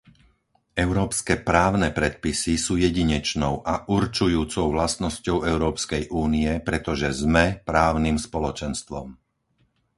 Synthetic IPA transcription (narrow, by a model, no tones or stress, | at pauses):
ɛʊɾɔːpskɛːpɾaːʊnɛpɾɛt̪̚pisisuːjɛɟiɲɛt͡ʃnɔʊʔaʔuɾt͡ʃujuːt͡sɔʊʋlast̪nɔscɔʊɛʊɾɔːpskɛjʔuːniɛpɾɛt̪ɔʒɛzmɛpɾaːʊnimspɔlɔt͡ʃɛnst̪ʋɔ̰m